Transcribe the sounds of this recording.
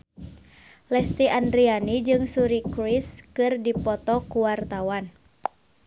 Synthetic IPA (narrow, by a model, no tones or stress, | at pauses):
lɛst̪iʔandɾianid͡ʒɨŋsuɾikɾiskɨrdipɔt̪ɔkuwart̪awan